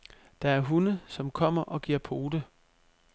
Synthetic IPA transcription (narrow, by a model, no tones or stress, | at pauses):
d̥ɑ̈æɐɦunəsɒ̽mkʰɒ̽m̰ɐʔɒ̽ɡ̥iɐ̰pʰo̝ːd̥ə